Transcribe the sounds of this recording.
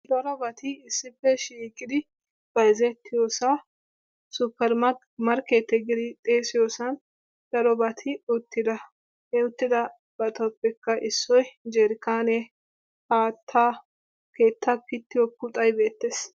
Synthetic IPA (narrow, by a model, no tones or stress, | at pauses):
d̪ɐɾɔbɐt̪ɪɪsːɪfːɛʃiːkʼːɪd̪ɪ | b̥ɐɪzɛt̪ːɪjoːsa | sʊpːɛɾmɐ | mɐɾkeːt̪ːɛɡɪd̪ɪt̪ʼeːsɪjoːsɐn | d̪̥ɐɾɔbɐt̪ʰɪʊt̪ːɪd̪ɐ | hɛʊt̪ːɪd̪ɐ | b̥ɐt̪ɔpːɛkːɐʔɪsːɔjd͡ʒɛɾɪkaːne | haːt̪ʰːaː | ke̞ːt̪ːɐkɪt̪ːɪjɔkʊt̪ʼɐjbe̞ːt̪ːes